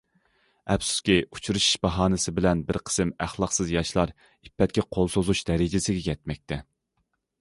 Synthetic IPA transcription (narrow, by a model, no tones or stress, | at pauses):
ɛpsu̥skʲiut͡ʃʰuɾuʃi̥ʃbɑɦɑːnɨsɪbɪlɛnbɪɾqʰə̥sɨmæχlˠɑqsɨzjɑʃlˠɑɾ | ipːɛt̪̚kʲɛqʰolˠsozuʃd̪ɛɾɪd͡ʒɪsɪɡʲɛkʲʰɛt̪mɛk̚ʲt̪ʰɛ